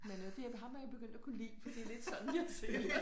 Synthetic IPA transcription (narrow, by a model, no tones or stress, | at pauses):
menød̥e̝æɐʋeɦɑ̈mæjab̥e̝ɡ̥øn̰d̥ækʰulḭːfɒd̥iæle̝d̥sɒ̽n̥n̩iɑse̥